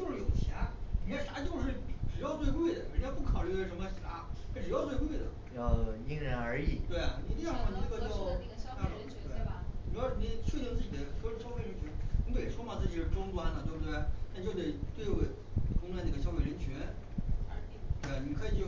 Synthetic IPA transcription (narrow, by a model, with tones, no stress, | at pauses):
t͡ɕjo˥˧ʊʂɻ̩˥˩jo˨˩ʊt͡ɕʰja˧˥li˨˩jɛ˥˩ʂa˧˥t͡ɕjo˥˧ʊʂɻ̩˥˩ʈ͡ʂɻ̩˨˩jɑ˥˧ʊt͡swe˥˧ɪk̬we˥˩ɪd̪ə˩ɻə˧˥njɑ˥˧ʊpu˥˩kʰɑ˨˩ʊly˥˩ə˧˩ʂə˧˥mə˧a˧˥a˧˥˩ʈ͡ʂɻ̩˨˩jɑ˥˧ʊt͡swk̬we˥˩ɪd̪ə̰˩jɑ˥˩ʊni˥ŋɻə˧˥nə˞˧˥i˨˩˦t̪we˥˩ɪa˩ni˨˩t̪i˥˩ɑ˥˩kʰa˥˩i˧˥nə˥ɡə˧t͡ɕjo˥˧ʊ˧˥a˥˩˧t̪we˥˩˥ni˥t͡ɕʰɛ˥˧t̪i˥˧ŋtt͡sɹ̩˥˩t͡ɕi˨˩d̪ə˦ɕɔ˥ɕjɑ˥fe˧ɪɻə˧˥nt͡ɕʰy˧˥nni˧˥e˨˩wɔ˥ma˥˩t͡sɹ̩˥˩i˨˩ʂɻ̩˥˩ʈ͡ʂwɔ˥ŋt̪wa˥nlə˨˩t̪we˥˧˩t̪we˥˩t̪a˥˧t͡ɕjo˥˧ʊt̪e˥˩ɪt̪we˥˧ɪwe˥˩ɪ | ʈ͡ʂʊ˥ŋt̪wa˥n˧˥˩ə˩ɕjɑ˥ʊfe˥˩ɪɻə˧˥nt͡ɕʰy˧˥n | t̪we˥˩ɪ˩˨ni˨˩kʰɤ˧˥i˨˩t͡ɕjo˥˩